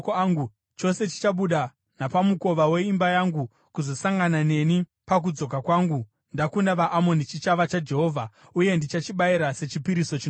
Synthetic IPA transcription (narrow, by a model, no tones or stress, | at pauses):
kːŋɡu | t͡ʃo̞se̞t͡ʃi̥t͡ʃaɓuɗa | napamuko̞ʋawe̞imbajaŋɡu | kuzo̞saŋɡanane̞ni | pak̬ud͡zo̞kakwaːŋɡu | ndakundaʋaʔːmo̞nit͡ʃit͡ʃaʋat͡ʃad͡ʒe̞ɦo̞ːvʱa | uje̞ndit͡ʃat͡ʃiɓaiɾase̞t͡ʃipiɾiso̞t͡ʃin